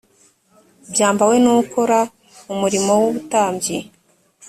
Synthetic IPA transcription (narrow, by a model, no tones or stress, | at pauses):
bjaːmbawe̞nuuko̞ɾa | umuɾimo̞wuβutaːmbɟi